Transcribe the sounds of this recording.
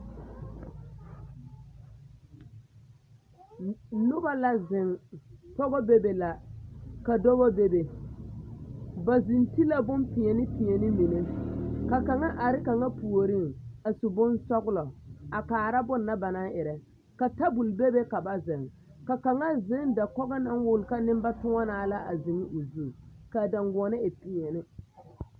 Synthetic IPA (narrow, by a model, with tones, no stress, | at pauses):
nʊ˦ba˦la˨zɪ˨ŋpɔ˦ɣɔ˦be˦be˨la˨ka˨dɔ˦ɣɔ˦be˦be˨ | ba˨zi˨nti˦la˦bʊ˦mpɪ˨ɛ˨nɪ˦pɪ˨ɛ˨nɪ˦mi˨ne˦ka˨ka˨ŋa˦ʔa˨ɾɪ˦ka˨ŋa˦pu˨o˨ɾi˦ŋa˨su˨bʊ˦nsɔ˦ɡlɔ˨a˨kaː˨ɾa˦bʊ˦nːa˦ba˨na˦ʔɪ˨ɾɛ˨ | ka˨ta˦bu˨lbe˦be˦ka˨ba˦zɪ˨ŋ | ka˨ka˨ŋa˦zɪ˦nda˨kɔ˦ɡa˦na˦nwʊ˦lka˦nɪ˦mba˦tʊ˦ŋa˦naː˨la˦ʔa˨zɪ˨ŋɪ˦ʔo˨zu˦˨ka˨da˨ŋɡʊ˨ɔ˨nɪ˦ɪ˨pɪ˨ɛ˨nɪ˦